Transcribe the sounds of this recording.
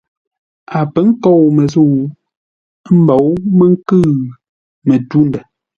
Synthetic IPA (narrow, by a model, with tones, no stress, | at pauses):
a˨pə˦ŋ̩˦kɔ˦˨wmə˨zu˦˨w | m̩˦bɔ˨˦wmə˦ŋ̩˦kɨː˦˨ | mə˨tu˦ndɛ˨